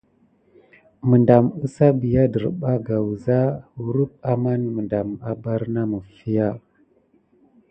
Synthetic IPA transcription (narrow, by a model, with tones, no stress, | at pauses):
mə˨nda˨mə˦sa˦bi˨ja˦də˨ɾɓa˦ɡa˨wza˦wu˨ɾu˦p̚a˦ma˦nmə˨nda˨ma˨ba˦ɾna˦mə˨fi˦ja˦